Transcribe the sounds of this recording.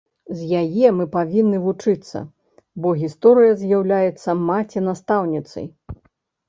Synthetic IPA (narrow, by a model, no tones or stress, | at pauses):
zʲjajɛmɨpavʲinːɨvut͡ʂɨt̪sːɐ̰ | bɔɣʲist̪ɔɾɨjɐzʲjawlʲajɛt̪sːɐmat͡sʲɛnast̪awnʲit̪sɐ̰j